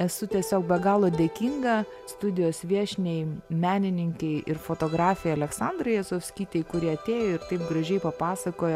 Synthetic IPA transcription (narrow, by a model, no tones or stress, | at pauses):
ɛsʊt̪ʲiɛsʲoːkbʲɛɡɑːlˠoːd̪ʲeːkʲiːŋɡɐ | st̪ʊd̪ʲɪjoːsʋʲiɛʃʲnʲɛɪmʲæːnʲɪnʲɪŋʲkʲɛɪʔɪɾfoːt̪oːɡɾɑːfʲɛɪɐlʲɛksɑːnd̪ɾɐɪjɛsoːfʲsʲkʲiːt̪ʲɛɪkʊɾʲiɛɐt̪ʲeːjoːɪɾt̪ɐɪp̚ɡɾɐʒʲɛɪpɐpɑːsɐkoːjɛ